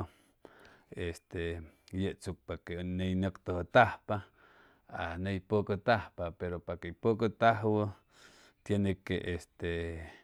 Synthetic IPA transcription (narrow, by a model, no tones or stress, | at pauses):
est̪ejeʔt͡suk̚pakenejnokt̪əht̪ahpa | a̰nejpokət̪ahpapeɾopakeipokət̪aɦwə | t̪jenekḛʔest̪e